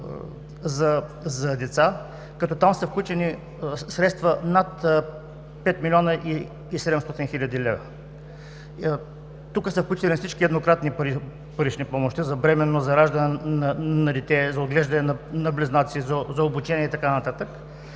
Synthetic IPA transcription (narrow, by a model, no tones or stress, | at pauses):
zɐzɐd̪ɛt̪sa | kɐt̪ɔt̪amsɐfklʲut͡ʃɛni | sɾɛt̪st̪vənat̪ | pɛt̪milʲɔnəʔiː | sɛd̪ɛmst̪ɔt̪inxilʲɐd̪ilɛvɐ | t̪ukəsɐfklʲut͡ʃit̪lʲinɐfsit͡ʃkiɛd̪nokɾat̪nipɾ | pəɾit͡ʃnipɔmoʃt̪izɐbɾɛmɛnːozɐɾaʒd̪ɐnɛnɐnɐd̪ɛt̪ɛzɐod̪̚ɡlɛʒd̪ɐnɛnɐnɐblʲɛznat̪siːzɐzɐobut͡ʃɛniɛit̪ɐkanɐt̪at̪ək